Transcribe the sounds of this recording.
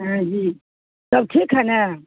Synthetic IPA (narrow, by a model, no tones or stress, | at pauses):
ɦãd͡ʒiː | sɐb̚ʈʰiːkɦana